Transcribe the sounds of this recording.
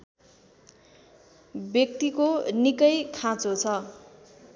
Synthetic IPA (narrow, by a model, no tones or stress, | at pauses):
bjʌk̚t̪ikonikʌjkʰãt͡sot͡sʰʌ